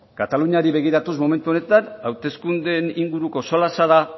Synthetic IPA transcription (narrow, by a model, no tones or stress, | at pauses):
kat̪aluɲaɾiβe̞ɣ̞iɾat̪usmo̞me̞nt̪uo̞ne̞t̪anawt̪e̞skund̪e̞niŋɡuɾuko̞solasaða